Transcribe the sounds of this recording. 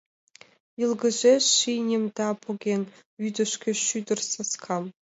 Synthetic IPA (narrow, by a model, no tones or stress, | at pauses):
jɨlˠɡə̆ʒeʃinʲemd̪ɑpʰoɡʲen | yd̪ɘʃkʲeʃyd̪ɘ̆rsaskʰɑm